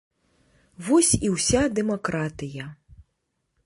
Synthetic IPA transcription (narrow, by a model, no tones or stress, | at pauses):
vɔsʲiwsʲad̪ɛmakɾat̪ɨjɐ